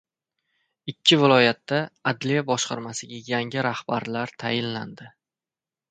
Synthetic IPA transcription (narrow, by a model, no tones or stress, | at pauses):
ɪkʲʰːɪvɪlˠɒjat̪ːaad̪lijabɒʃqʰɑ̰ɾmasɪɡʲajaŋɪɾahbaɾlaɾt̪ʰa̰jɪnla̰nd̪ɪ